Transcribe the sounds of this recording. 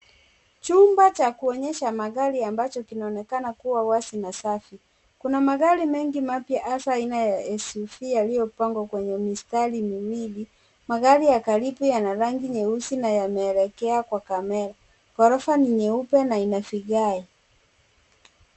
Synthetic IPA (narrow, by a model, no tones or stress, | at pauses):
t͡ʃumbat͡ʃakuɔɲɛʃamaɣaɾiambat͡ʃɔkinaɔnɛkanakuwawasinasafi | kunamaɣaɾimɛŋɡimapjaʔasainajaɛsufijalijɔpaŋɡwakwɛɲɛmistalimiwili | maɣaɾijakalipujanaɾaŋɡiɲɛusinajamɛːlɛkɛakwakamɛɾa | kɔɾɔfaniɲɛupɛnainafiɡaɛ